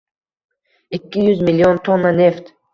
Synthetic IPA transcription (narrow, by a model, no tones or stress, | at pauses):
ikʲːijyzmilʲːiont̪ʰonːane̞ft̪